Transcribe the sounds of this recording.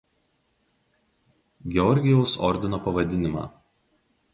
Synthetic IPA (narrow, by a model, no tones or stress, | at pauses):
ɡʲɛɔɾʲɡʲɪjɛʊsɔ̰ɾʲd̪ʲɪnoːpɐʋɐd̪ʲɪnʲɪmɑ̰ː